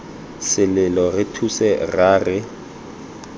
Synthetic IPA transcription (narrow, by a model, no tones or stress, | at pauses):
sɪlɪlɔrɪtʰusɛraːrɪ